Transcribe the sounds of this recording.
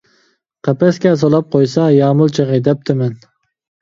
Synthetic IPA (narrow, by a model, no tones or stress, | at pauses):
qʰæpɛskʲɛs̬olˠɑp̚qʰojsɑjɑːmʊlˠt͡ʃʰeʁed̪ɛp̚t̪ʰɪmɛn